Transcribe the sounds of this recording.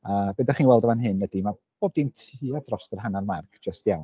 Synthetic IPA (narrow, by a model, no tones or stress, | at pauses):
əbɛdaχiːnwɛlˠdɔvanɦɨnwɛdima | b̥oːb̚dintʰiːadrɔstərɦanarmarkʰd̥d͡ʒ̥əstjawn